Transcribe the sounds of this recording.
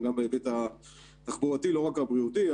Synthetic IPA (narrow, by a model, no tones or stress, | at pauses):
ɡambeebet̪a | t̪aχbuʁatilo̞ʁakabʁiut̪i